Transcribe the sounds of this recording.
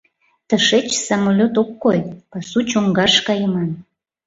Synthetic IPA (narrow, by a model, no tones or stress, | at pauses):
t̪əʃet͡ɕsɑmolʲot̪okːojpɑsut͡ɕoŋɡɑʃkɑjəmɑn